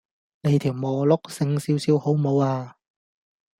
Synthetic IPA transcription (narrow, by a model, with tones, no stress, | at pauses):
ne˨˧jt̪ʰiː˨˩wmɔː˨˩lʊ˥k̚sɪ˧ŋsiː˨˧wsiː˨˧who˨˥wmo˨˧waː˧